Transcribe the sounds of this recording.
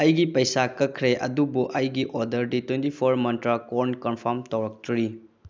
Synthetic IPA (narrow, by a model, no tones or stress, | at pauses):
ɐjɡipɐjsakɐkʰɾeʔɐ̰dubuʔɐjɡiʔodɐɾditwentipʰoɾmɐntɾakoɾnkɔnpʰaɾmtɐwɾɐk̚tuɾi